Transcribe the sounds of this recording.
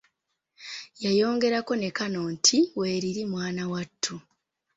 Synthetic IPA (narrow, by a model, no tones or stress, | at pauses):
jajo̞ːŋɡe̞ɾako̞ne̞kano̞ːntʰiwe̞ːɾiɾimwaːnawatʰːu